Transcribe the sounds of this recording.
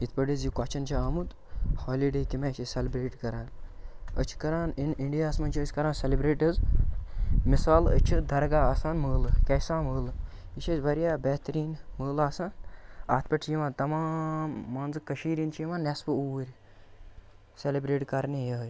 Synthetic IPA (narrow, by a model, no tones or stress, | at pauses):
it̪̚ʰpɐɖizjikat͡ʃʰɐnt͡ʃʰiaːmut̪ | hoːliɖeːkimaːt͡ʃʰɐselibɾeːʈkɐɾaːnə̰t͡ʃʰi̥kɐɾaːniniɳɖijaːsmɐnt͡ʃʰiəsʲkɐɾãːnsʲelibɾeːʈɐz | misaːlə̰t͡ʃʰid̪ɐɾɡaːɐsaːnməːlɨkɐsãːməːlɨ | it͡ʃʰʲɐsʲbɐɾjaːbɛːt̪ɾiːnməːlaːsaːnaːt̪ʰpɐʈt͡ʃʰijiʋãːnt̪ɐmaːmːɐnzɨkɐʃiːɾint͡ʃʰiʋãːnɛspɨuwɾʲ | selibɾeːʈkɐɾnijɐj